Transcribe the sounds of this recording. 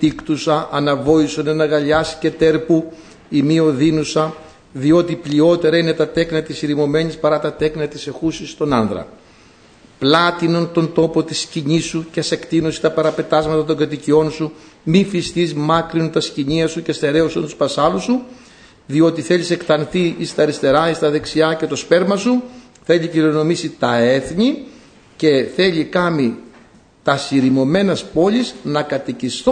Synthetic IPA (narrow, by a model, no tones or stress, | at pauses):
t̪ikt̪usɐʔɐnɐvo̞isonenɐɣɐʎɐsi̥ce̞t̪e̞ɾpu | imio̞ðinusɐ | ðio̞t̪iplio̞t̪e̞ɾɐine̞t̪ɐt̪e̞knɐt̪isiɾimo̞me̞ɲispɐɾɐt̪ɐt̪e̞knɐt̪ise̞xusist̪o̞nɐnðɾɐ̰ | plɐt̪inont̪o̞nt̪o̞po̞t̪isciɲisuceɐse̞kt̪inose̥t̪ɐpɐɾɐpe̞t̪ɐzmɐt̪ɐt̪̬o̞ŋɡɐt̪icio̞nsu | mifist̪izmɐkɾiont̪ɐsciɲiɐsucest̪e̞ɾe̞osɐnt̪u̥spɐsɐlusu | ðio̞t̪iθe̞ʎise̞kt̪ɐnθiist̪ɐɾist̪e̞ɾɐist̪ɐðe̞ksiɐce̞t̪ospe̞ɾmɐsu | θe̞liciɾono̞misit̪ɐe̞θɲi | ce̞θe̞ʎikɐmi | t̪ɐsiɾimo̞me̞nɐspo̞ʎiznɐkɐt̪icist̪